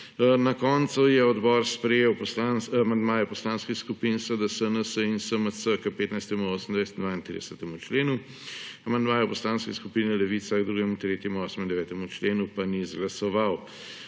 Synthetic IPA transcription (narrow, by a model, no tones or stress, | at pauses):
nakɔnt̪sujɛɔd̪bɔːɾspɾɛjewpɔslanmand̪maːjɛpɔslaːnskixskupinsəd̪əsənəsəinsəməsəkəpeːt̪najst̪ɛmuoːsəmnd̪ʋajst̪nd̪ʋaːint̪ɾḭd̪əɛsət̪ɛmut͡ʃleːnu | amand̪maːjɛwpɔslaːnskɛskupinɛlɛʋit̪saɡd̪ɾuːɡɛmut̪ɾeːt̪jɛmuoːsəmind̪ɛʋɛːt̪ɛmut͡ʃleːnupanizɡlɐsɔʋaw